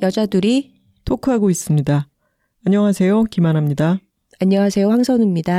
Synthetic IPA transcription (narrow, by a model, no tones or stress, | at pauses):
jʌd͡ʑadɯɾi | tʰokʰɯɦaɡois͈ɯmɲida | aɲʌŋɦasʰe̞jokimanɦamɲida | aɲːʌŋasʰe̞joɸaŋsʰʌnimɲida